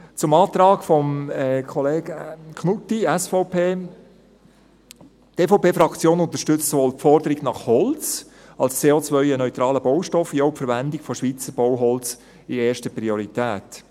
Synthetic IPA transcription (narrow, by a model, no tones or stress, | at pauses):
t͡sʊmɑːt̪ɾɑːɡfɔmɛkʰɔleːɡ̥əkʰnutːiɛsfɔʊpʰeː | teːfoʊpeːfɾɑkt͡sjoːnʊnt̪ə̥ʃtʏt͡stsoʋoːlfɔɾdəɾiɡnɑχhɔlt͡s | ɑlst͡seːot͡svœʏənœʏt̪ɾɑːləbɔʊʃtɔfjoʊpfəɾʋændɪɡfɔʃʋiːt͡səɾb̥ɔwɦɔlt͡s | ieːʃtəpɾioɾit̪æːt